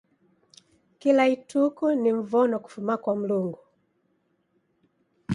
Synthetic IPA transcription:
kilaitukuniɱ̩vɔnɔku̥fumakwam̩luŋɡu

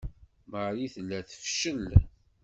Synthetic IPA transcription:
məɾiθəlːæθə̥fʃəl

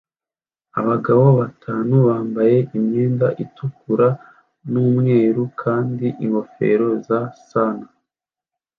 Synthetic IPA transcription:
aβaɡaβo̞βatʰaːnuβaːmbaje̞ʔimɲe̞ːndaʔitukuɾa | numŋeːɾukʰaːndiʔiŋɡo̞fe̞̰ːɾo̞zasana

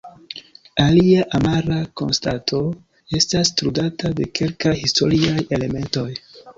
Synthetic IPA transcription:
aliaʔamaɾako̞̰nstatʰo̞ | e̞stastɾudatade̞ke̞lkajhisto̞ɾiaje̞le̞me̞nto̞j

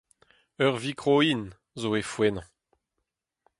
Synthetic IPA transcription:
œʁvikʁoin | zoefwɛnɑ̃

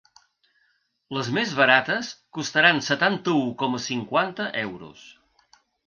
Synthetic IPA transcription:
ləzmezβəɾat̪əskust̪əɾansət̪ant̪əukɔməsiŋkwant̪əʔɛwɾṵs

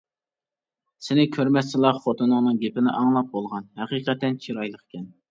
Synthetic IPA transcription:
sɪnɪkʲʰøɾmɛsɪlˠɑχot̪ʰɨnɨŋnɨŋɡʲepɪnɪ̰ʔɑŋlˠɑp̚bolˠʁɑnhæqiːqɛt̪ːɛnt͡ʃʰiɾɑjlˠəqkʲʰɛn

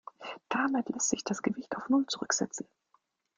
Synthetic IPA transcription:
d̥amɪtlɛstz̥ɪçd̥asɡ̥əvɪçtaʊfnʊlt͡suʁʏkz̥ɛ̰t͡sn̩

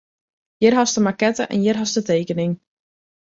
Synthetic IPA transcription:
jɪrɦɔstəmakɛtəʔɛ̰njɪrɦɔstəteːkənɪŋ

